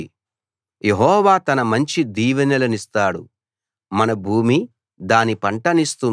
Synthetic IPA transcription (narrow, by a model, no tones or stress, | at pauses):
jeɦɔːʋaːt̪ɐnɐmɐɲt͡ʃid̪iːʋɐnɐlɐnist̪aːɽṵ | mɐnɐbʱuːmi | d̪aːnipɐɳʈɐnist̪u